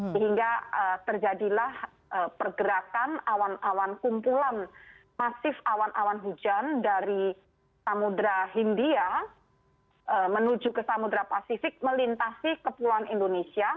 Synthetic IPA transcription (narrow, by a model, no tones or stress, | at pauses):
səɦiŋɡaət̪ərd͡ʒadilah | ʔəpərɡəɾakanawanawankumpulan | masɪfawanʔawanɦud͡ʒandaɾi | samudɾaɦindia | ʔəmənud͡ʒukəsamud̪ɾapasifɪk̚məlint̪asikəpuluanindonesia